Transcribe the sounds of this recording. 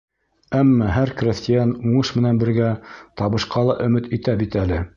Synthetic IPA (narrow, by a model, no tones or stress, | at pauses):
æmːɑɦæɾkrʲest̪ʲɪjɑnuɴɤʃmɘ̆nænbɘ̆ɾɡæt̪ɑβɤ̆ʃqɑlˠɑʔɵ̆mɘt̪it̪æbit̪ælɘ